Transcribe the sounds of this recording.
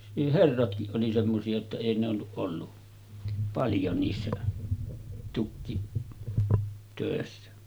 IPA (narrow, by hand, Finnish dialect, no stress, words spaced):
niːh herːɑtkiʔ ʔoli semːosiɑ jotːɑ eˑi n olːuʔ ʔolːu pɑljo niːsːæ tukːitøˑesːæ